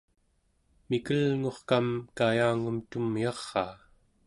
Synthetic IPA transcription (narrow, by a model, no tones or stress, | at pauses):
mikəlŋo̞χkamkajaːŋumt̪umjɑʁːɑː